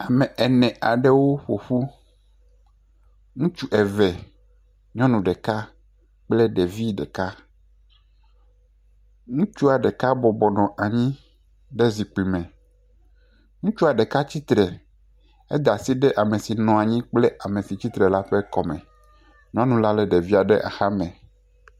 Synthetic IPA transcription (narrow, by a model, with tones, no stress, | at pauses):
a˨mɛ˨ɛ˨nɛ̃˨a˨ɖɛ˦wo˦ɸo˨ɸu˦ | ŋũ˦t͡ʃu˦ʔɛ˨vɛ˨ | ɲɔ̃˦nũ˨ɖɛ˨ka˦ | k͡plɛ˦ɖe˨vi˦ɖɛ̰˨ka˦ | ŋũ˦t͡ʃu˦a˨ɖɛ˨ka˦bɔ˨bɔ˨nɔ̃˨ʔa˨ɲĩ˦ | ɖe˦zi˨k͡pi˨mɛ̃˨ | ŋũ˦t͡ʃu˦a˨ɖɛ˨ka˦t͡ɕi˦t̪ɾɛ˨ | ɛ˦d̪a˨si˦ɖɛ˦ʔa˨me˨si˨nɔ̃˨a˨ɲĩ˦k͡plɛ˦ʔa˨mẽ˨si˨t͡ɕi˦t̪ɾɛ˨la˦ɸɛ˦kɔ˨mɛ̰̃˨ | ɲɔ̃˦nũ˨la˦lɛ˦ɖe˨vi˦a˨ɖe˦ʔa̰˨xa˦mɛ̃˨